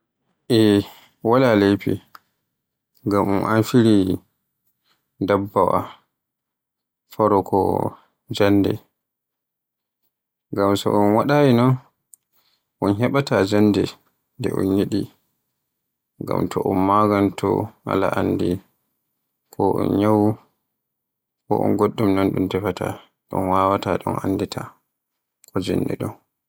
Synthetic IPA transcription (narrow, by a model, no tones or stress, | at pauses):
ʔɛ | walalejpḭ | ɡamunʔanfiɾi | dabːawa | faɾɔkʰɔ̰ | d͡ʒanːdɛ̰ | ɡamsɔ̰ʔɔnwaɗawinɔn | ʔɔnɦɛɓatad͡ʒanːdɛ | ndɛʔɔnjiɗi | ŋɡa̰mtʰɔʔɔnmaɡantʰɔ̰ha̰laʔandi | kʰɔʔɔ̰nɲawu | kɔ̰ʔɔ̰nɡoɗːumnɔnɗumtɛfata̰ | ɗɔ̰nwawataɗɔnanːdɛtʰa | kɔd͡ʒa̰nːdɛ̰ɗɔn